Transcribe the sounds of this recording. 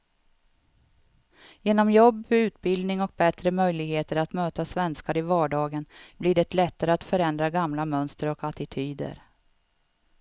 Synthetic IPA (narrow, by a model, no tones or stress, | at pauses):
jeːnɔmjɔbːʉ̟ːt̪bɪld̪nɪŋɔk̚bɛt̪ɾəmœjlɪɡheːt̪əɾat̪møːt̪asvɛnskaɾɪvɑːɖɑːɡənblɪɖɛt̪lɛt̪ːaɾəat̪fœɾɛnd̪ɾaɡamlamœnst̪əɾɔkat̪ɪt̪ʰyːd̪ə̰ɾ